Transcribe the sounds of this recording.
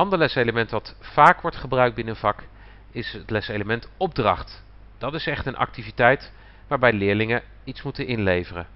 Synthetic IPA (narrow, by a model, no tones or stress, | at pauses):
ɑndəɹlɛsejləmɛntʋɑtfaːkʋɔɹtχəbrœɥk̚bɪnəənv̥ɑk | ɪsətlɛsejləmɛntɔb̚drɑχt | d̥ɑtɪsɛχtənʔɑ̰k̚tivitɛjt | ʋaːɹbɛjdəlɪːɹlɪŋə | itsmutənɪnlejvərə̰